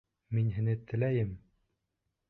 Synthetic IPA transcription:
minɦɘ̆nɘt̪ɘ̆læjɘm

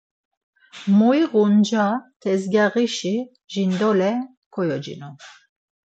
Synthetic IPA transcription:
muiʁund͡ʒat̪ʰɛzɡaʁiʃi | ʒind̪ɔlɛ | kʰɔjɔd͡ʒḭnɔ

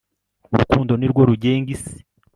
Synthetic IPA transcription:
uɾukuːndo̞niɾɡoɾuɟe̞ːŋɡisi̥

